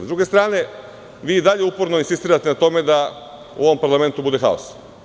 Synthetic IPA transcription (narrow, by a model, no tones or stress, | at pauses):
zd̪ɾuɡe̞st̪ɾaːne̞ | ʋiːid̪aʎe̞upo̞ɾnoinsist̪iːɾat̪e̞nat̪o̞me̞d̪a | ṵo̞ʋompaɾlˠame̞nt̪ubud̪e̞xa̰os